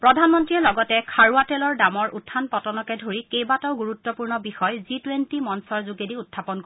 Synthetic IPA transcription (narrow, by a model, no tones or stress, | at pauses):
pɹɔdʱanmɔntɹiɛlɔɡɔtɛkʰaɹuatɛlɔɹdamɔɹʔutʰːanpɔtɔnɔkɛdʱoɹikejbataʊɡuɹutːɔpuɹnɔbixɔjzitwentimɔnsɔɹzuɡediutʰːapɔnkoi